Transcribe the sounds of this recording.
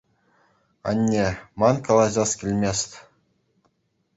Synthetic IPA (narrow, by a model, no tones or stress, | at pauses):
ɑ̰nʲːemɑnkɑlˠɑʑɑskʲilʲmʲesʲt̪ʲ